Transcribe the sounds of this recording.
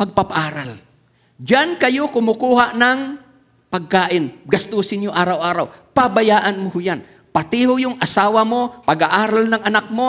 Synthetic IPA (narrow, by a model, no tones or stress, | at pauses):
pɐɡ̚pɐpaʔaːɾal | d͡ʒankɐjo̞kʊmʊkuːhaʔnɐŋ | pɐɡ̚kaːʔɪnɡɐst̪usɪnjoʔaːɾawʔaːɾawpɐbɐjaːʔɐnmohʊjan | pɐt̪ɪhojʊŋʔɐsaːwɐmo̞pɐɡaʔaːɾalnɐŋɐnak̚mo